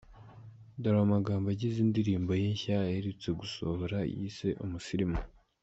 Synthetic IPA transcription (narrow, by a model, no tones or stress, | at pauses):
daɾamaɡaːmbaɟizindiɾiːmbo̞jeɲçajeɾit͡se̞ɡusohoɾa̰jḭse̞ʔumusiɾimo